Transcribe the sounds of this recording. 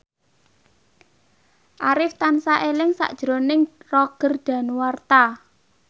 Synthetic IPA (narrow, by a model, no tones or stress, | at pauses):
ʔaɾɪft̪ansaʔelɪŋsa̰ʔd̥ʒ̥ɾonɪŋrɔɡ̥ərd̪̥a̤nwart̪a